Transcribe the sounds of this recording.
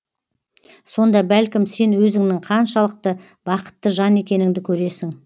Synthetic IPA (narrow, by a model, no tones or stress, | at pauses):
so̞nd̪ɑbælkʲɪmse̞nwɵzɪŋnɪŋqʰɑnʃɑlˠəq̚t̪ə | b̥ɑqə̥t̪ːəʒɑne̞kʲe̞nɪŋd̪ɪkʲʰɵɾe̞sɪŋ